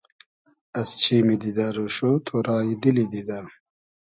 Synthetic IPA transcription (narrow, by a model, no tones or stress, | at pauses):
ɐst͡ɕʰiːmid̪id̪aɾuɕot̪ʰoɾaːjid̪ilid̪id̪a